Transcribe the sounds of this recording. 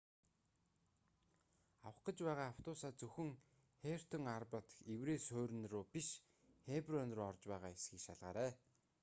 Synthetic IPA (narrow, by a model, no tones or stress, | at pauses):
awə̆χɡə̆t͡ɕpæːʁaːaw̥t̪ʊːsaːt͡sɵxɵ̆ŋ | xer̥t̪ʰə̆ŋarpăt̪xewreːsʊːɾ̆nrʊːpiʃ | xeprœnroːɔrt͡ɕpæːʁaːesxiːkʃaɮʁa̰ːɾæː